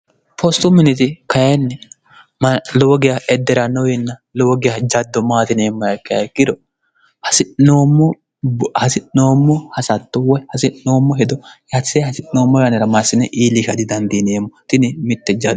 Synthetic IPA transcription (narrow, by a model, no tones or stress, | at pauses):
pʰɔst̪ʊmːɪnɪt̪ɪkɐjɛnːɛ | mlɔwɔɡɪjaʔɛd̪ːɛɾɐnɔwɪnːɐlɔwɔɡɪjɐd͡ʒɐd̪ːɔmaːt̪ɪneːmːɐjɐkːɪɐ̰kːɪd̪ɔ | hɐsɪnoːmːɔ | hɐsɪnnoːmːɔhɐsɐt̪ːɔwɔhɐsɪʔno̞ːmːɔɦɛd̪ɔjɐt͡sːehɐsɪnno̞ːmːɔjɐnɛɾɐmasɪnːɛʔiːlikɐd̪ɪd̪ɐnd̪iːneːmːɔt̪ɪnɪmɪt̪ːɛd͡ʒɐd